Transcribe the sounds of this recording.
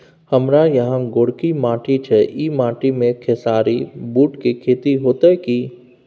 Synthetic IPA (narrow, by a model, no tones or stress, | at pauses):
həmɾajɐɦãɡoːɽkimãːʈit͡ʃʰɛimãːʈimẽkʰesaːɾibuːʈkikʰeːt̪iɦoːt̪aɦɛki